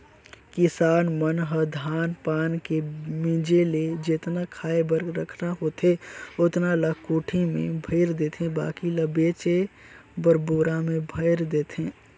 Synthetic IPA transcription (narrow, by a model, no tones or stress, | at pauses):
kɪsaːnmənɦəd̪ʱaːnpaːnkemĩd͡ʒeled͡ʒeːt̪nakʰaːebəɾɾəkʰnaɦoːt̪eʊt̪naləkuːʈʰimḛ̃bʱəɪɾd̪eːt̪ʰẽba̰ːkiləbeːt͡ʃebəɾboːɾamẽbʱəɪɾd̪eːt̪ɦẽː